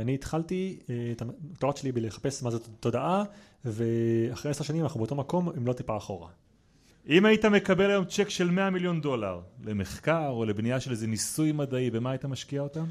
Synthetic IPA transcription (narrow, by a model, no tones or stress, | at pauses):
aniːt̪χaltit̪amt̪oʁat͡ʃelibeleχḁpesmazot̪o̞daʔa | ve̞aχʁeeseʃanimanaχnubeot̪o̞mako̞mimlo̞t̪ipaːχo̞ʁa̰ | ʔimaitame̞kabe̞lajo̞mt͡ʃekʃe̞lme̞amiljo̞ndo̞la̰ʁle̞me̞χkaʁo̞le̞bnijaʃelezenisujmadaibe̞maːait̪amaʃkiao̞tam